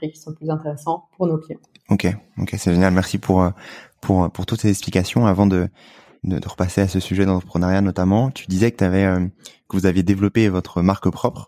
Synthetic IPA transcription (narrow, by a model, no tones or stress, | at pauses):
χikʲːi̥sɔ̃plyzɛ̃t̪eʁesɑ̃puʁnoklijɑ̃ | okʲeo̰kʲʰesɛʒenjalmɛʁsipʰuʁøpʰuʁpuʁt̪ut̪sezɛksplikasjɔ̃avɑ̃d̪ə | d̪ə̰d̪əʁəpaseasəsyʒɛd̪ɑ̃t̪χə̥pχənaʁjanɔt̪amɑ̃t̪ʰy̥d̪izɛkə̥t̪yavɛøkəvuzavjed̪evlɔpevɔt̪χəmaʁkpχɔpχ